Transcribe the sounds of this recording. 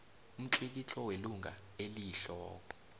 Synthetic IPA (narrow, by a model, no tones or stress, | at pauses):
um̩ǀik̬it͡ɬʰɔweluŋɡʱaeliɬɔːkɔ